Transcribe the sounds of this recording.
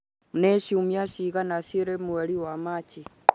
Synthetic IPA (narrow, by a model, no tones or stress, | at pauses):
neʃiumjaʃiɣanaʃiɾemwɛɾiwamat͡ʃi